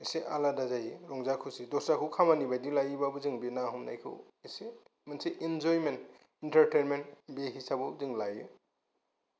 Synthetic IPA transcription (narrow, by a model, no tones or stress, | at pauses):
iseʔaladazajiɾɔŋzakʰusidɔsakʰɯwkʰamanibajdilajibabuziŋbinaɦumna̰jkʰɯ̰w | ise | mansiʔind͡ʒɔjment | intaɾtenmentbeɦisabɯziŋlajɯ